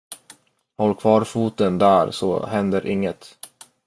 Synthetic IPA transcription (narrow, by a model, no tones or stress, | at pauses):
hɔlːkʰvɑːɾfuːt̪ənd̪æːɾsɔ̰hɛnd̪əɾʔɪŋːət̪